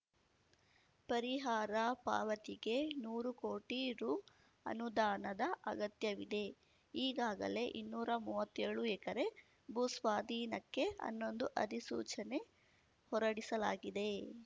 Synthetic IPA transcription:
pɐɾiɦaːɾɐpa̰ːʋɐt̪iɡe̞nuːɾukoːʈiɾuː | ɐ̰nud̪aːnɐd̪ɐʔɐɡɐt̪jɐʋid̪e̞ | iːɡaːɡɐ̰le̞ʔḭnːuːɾɐmuːʋɐt̪ːɛɾɐɭuɛkɐɾe̞ | bʱusʋaːd̪ʱiːnɐkːe̞ɐ̰nːo̞nd̪uʔɐ̰d̪isuːt͡ʃɐne̞ | hɔɾɐɽisɐla̰ːɡid̪e̞

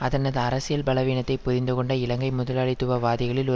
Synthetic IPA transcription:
ɐðɐnɐðɯɐɾɐsɪjɐlbɐlɐʋiːnɐt̪ːɐɪpːʊðɪnd̪ɯkɔɳɖɐɪlɐŋɡɐɪmʊðɐlaːɭɪt̪ːɯʋɐʋaːðɪɣɐɭɪlɔ

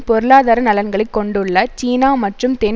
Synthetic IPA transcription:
pɔɾɯɭaːðaːɾɐnɐlɐnɡɐɭɐɪkːɔɳɖɯɭːɐt͡ʃiːnaːmɐʈrɯmt̪ɛn

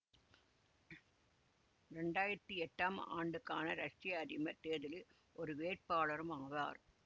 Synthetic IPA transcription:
ɾɛɳɖaːjɪɾɐt̪ːiɛʈːaːma̰ːɳɖɯkːaːnɐɾɐʈrɪjɐɐɾɪmɐt̪ːeːðɪl | ʔɔɾɯʋeːr̚paːɭɐɾɯmaːʋa̰ːɾ

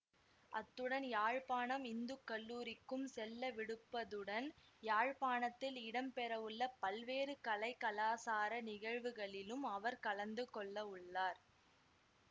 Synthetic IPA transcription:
ʔɐt̪ːɯɽɐnjaːɻpaːɳɐmɪnd̪ɯkːɐlːuːɾɪkːɯmsɛlːɐʋɪɽɯpːɐðɯɽɐn | jaːɻpaːɳɐt̪ːɪlɪɽɐmpɛɾɐʋɯɭːɐpɐlʋeːɾɯkɐlɐɪkːɐlaːsaːɾɐnɪɣɐɻʋɯɣɐɭɪlɯmɐʋɐɾkɐlɐnd̪ɯkɔɭːɐʊɭːaːɾ

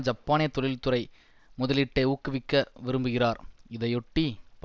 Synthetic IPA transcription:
d͡ʒɐpːaːnɪjɐt̪ːɔɭɪlt̪ɯɾɐɪ | mʊðɐlɪʈːɐɪuːkːɯʋɪkːɐʋɪɾɯmbɯɣɪraːɾɪðɐɪɔʈːip

